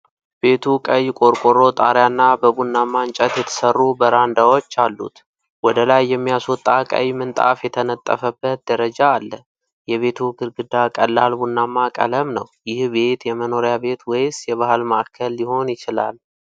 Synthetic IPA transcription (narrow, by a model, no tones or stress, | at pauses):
be̞t̪ʰukʼəjːkʼo̞ɾkʼoɾo̞t̪ʼa̰ɾjanːabəbunːamːant͡ʃʼət̪jɛt̪ʰə̥sərːubəɾand̪awo̞t͡ʃːalːṵt̪ | wɔd̪əlajːɛmːijasot̪ʼakʼə̰jmɨnt̪ʼa̰fjɛt̪ʰənət̪ʼːə̰fəbːət̪̚d̪əɾəd͡ʒaːlːə | jɛβe̞t̪ʰuɡɨɾɡɨd̪akʼəlːalbunːamːakʼə̰ləmnəwjɪhbe̞t̪jɛməno̞ɾjabe̞t̪wɔjsjɛβahlmaʔakʰːəlːɪho̞njɪt͡ʃɪla̰l